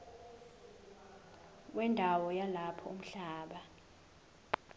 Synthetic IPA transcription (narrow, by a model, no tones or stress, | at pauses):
k̬wɛndʱawɔjalapʰɔum̩ɬaːɓa